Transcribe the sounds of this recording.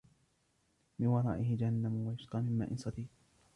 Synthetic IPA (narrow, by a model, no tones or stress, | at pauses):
mɪnwɑɾˤɑ̰ːʔɪɦɪd͡ʒahanːamʊwajʊsqɑːmɪmːa̰ːʔɪnsˤɑd̪iː